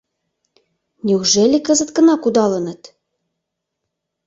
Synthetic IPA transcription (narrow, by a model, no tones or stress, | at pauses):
nʲeuʒelʲikə̆zə̆t̪kə̆nɑkud̪ɑlə̆nə̆t̪